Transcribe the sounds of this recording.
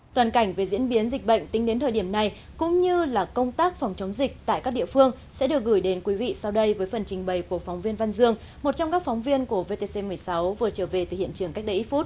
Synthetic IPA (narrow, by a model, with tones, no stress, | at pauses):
t̪waː˨˩nka˧˩jŋ̟ve˨˩zḭ˧˥ənɓi˨˦ənzï˨˩k̟̚ɓə̰˧˨jŋ̟t̪ï˨˦ŋ̟ɗe˨˦nt̪ʰəː˨˩jɗi˧˩əmna˧˩j | kʊ̰˧˥ŋ͡mɲɨ˧laː˨˩kə˧wŋ͡mt̪aː˦˥k̚fɔ˨˩wŋ͡mt͡ɕə˨˦wŋ͡mzï˨˩k̟̚t̪a̰ː˧˨jkaː˦˥k̚ɗ̰ḭ˧˨əfɨ˧əŋ | sɛ̰˧˥ɗɨ˨˩ək̚ɣɨ˧˩jɗe˨˦nkwi˨˦vḭ˧˨sa˧wɗə˧jvəː˨˦jfə˨˩nt͡ɕï˨˩ŋ̟ɓə˨˩jku˧˨˩əkfɔ˨˦wŋ͡mvi˧ənva˧nzɨ˧əŋ | mo˨˩t̚t͡ɕɔ˧ŋ͡mkaː˦˥k̚fɔ˨˦wŋ͡mvi˧ənku˧˩əve˧t̪e˧se˧mɨ˨˩əjsa˨˦wvɨ˨˩ət͡ɕəː˧˩ve˨˩t̪ɨ˨˩hḭ˧˨ənt͡ɕɨ˧˩əŋka˦˥k̚ɗə˧jʔi˦˥fu˦˥t̚